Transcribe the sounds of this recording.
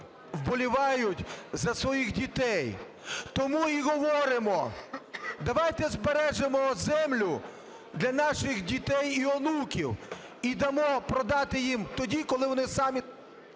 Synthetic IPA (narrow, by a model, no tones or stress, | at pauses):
wbɔlʲiʋɑjʊtʲzɐsʋɔjixdʲit̪ɛj | t̪ɔmuiɦɔʋɔɾɪmɔ | d̪ɐʋɑjt̪ɛzbeɾɛʒemɔzɛmlʲʊ | d̪lʲɐnɑʃɪxdʲit̪ɛjiɔnukʲiw | id̪ɐmɔpɾɔd̪ɑt̪ɪjimt̪ɔdʲikɔlˠɪʋɔnɪsɑmʲi